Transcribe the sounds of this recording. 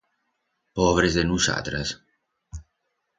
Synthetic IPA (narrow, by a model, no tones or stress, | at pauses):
poβɾezðenusa̰t̪ɾas